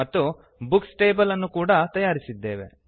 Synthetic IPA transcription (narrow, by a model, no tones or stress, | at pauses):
ɐt̪ːu | buksʈeːbɐlɐnːukuːɽɐt̪ɐjaːɾisid̪ːe̞ːʋe̞̰